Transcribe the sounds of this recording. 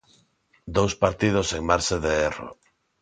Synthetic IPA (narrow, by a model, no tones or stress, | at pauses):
d̪owspaɾt̪ið̞oseŋmaɾseðeero̰